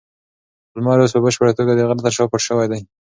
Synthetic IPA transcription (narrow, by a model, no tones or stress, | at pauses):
lmɑɾos̬pəbəʃpəɾat̪oɡad̪əɣaɾt̪aɾʃɑpəʈʃəwajd̪aj